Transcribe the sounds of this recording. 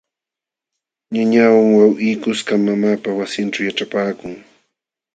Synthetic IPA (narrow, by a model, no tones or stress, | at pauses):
ɲaɲawaŋwawʔijkʊskamːamaːpawasɪnʈ͡ʂawjaʈ͡ʂapaːkʊŋ